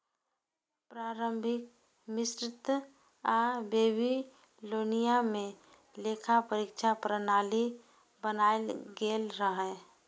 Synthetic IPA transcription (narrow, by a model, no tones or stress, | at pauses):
pɾaːɾəmbʱɪk̚ | mɪsɾɪt̪ | abeːbi | loːnijamẽ | lekʰapəɾikt͡ʃʰapɾənaːli | bənaːelɡeːlɾəɦɛ